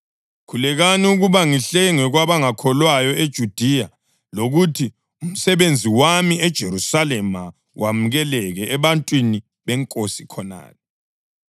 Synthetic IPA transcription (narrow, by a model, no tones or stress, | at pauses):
kʰulɛɣaniuɣuβaŋiɬɛŋɛɣwaβaŋakʰɔlwajɔed̥ʒ̥ʱud̥ʱija | loɣutʰi | um̩sɛβend͡zʱiwamiɛd̥ʒ̥ʱeɾusalɛma | wʔamuɣɛlɛɣɛːβantʼwini | βɛŋkʼosikʰɔna̰ːlɛ